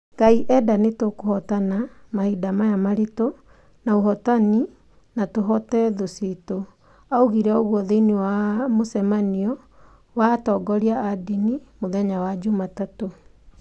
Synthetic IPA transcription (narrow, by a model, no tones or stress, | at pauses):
ɡ̥aiʔɛdanetokohɔtanamahidamajamaɾito | naoɦɔtani | natoɦɔtɛðosito | aoɣiɾɛoɣwɔðeinewamosɛmaniɔ | watɔːɡɔɾiaadinimoðɛɲawad͡ʒomatato